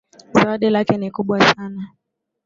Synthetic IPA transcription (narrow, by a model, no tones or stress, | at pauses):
zawaɗɛlakɛnikuɓwasana